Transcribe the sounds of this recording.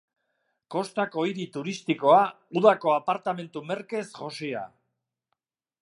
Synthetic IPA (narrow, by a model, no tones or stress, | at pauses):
ko̞st̪ako̞jɾit̪uɾist̪iko̞a | uðako̞apaɾt̪ame̞nt̪ume̞ɾke̞sʝo̞sia̰